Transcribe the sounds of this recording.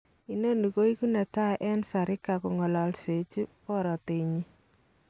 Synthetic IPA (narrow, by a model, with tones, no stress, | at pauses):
i˦no˦nu˨ko˦i˦ku˦nɛ˨ta˦ʔɛ˦nsa˨ɾɪ˦ka˨ku˨ŋɔ˨la˨lse˨t͡ʃi˦pɔ˦ɾɔ˨te˨ɲi˦